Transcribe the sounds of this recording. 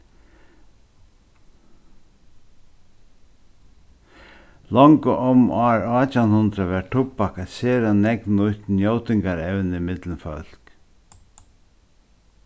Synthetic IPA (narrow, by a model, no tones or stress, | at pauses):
lɔŋkəʔɔmaːɹat͡ʃanhʊnd̪ɾaʋɛʈʰʊpakat̪seːɾanɛknʊjt̪n̩jowt̪ɪŋkaɾɛwnimɪt̪lənfœl̥k